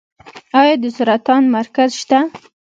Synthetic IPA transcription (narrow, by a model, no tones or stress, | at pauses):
ɑjɑd̪əsʊɾat̪ɑnmaɾkazʃt̪a